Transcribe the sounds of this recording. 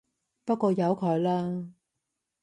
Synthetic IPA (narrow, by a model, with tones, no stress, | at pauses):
pɐ˥t̚kʷɔː˧jɐ˨˧wkʰɔ˨˥jlaː˥